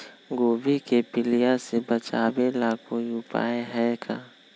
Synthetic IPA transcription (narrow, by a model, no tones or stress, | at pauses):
ɡoːbikepɪlijasebɐt͡ʃaːwelaːkʰõjʊpa̰ːeɦɛkʰaː